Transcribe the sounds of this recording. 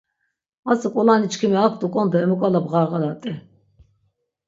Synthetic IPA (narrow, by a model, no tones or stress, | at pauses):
asikʼulanit͡ʃʰkʰimiak̚ʰt̪ʼukʼɔnd̪ɛmukʼalabʁaʁalat̪ʼɛ